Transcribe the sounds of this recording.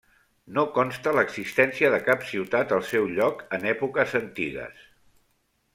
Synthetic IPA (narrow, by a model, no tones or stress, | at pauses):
nokɔnst̪ələɡzist̪ɛnsiəðəkapsiwt̪at̪əlˠsɛwʎɔkənɛpukəzənt̪iɣə̰s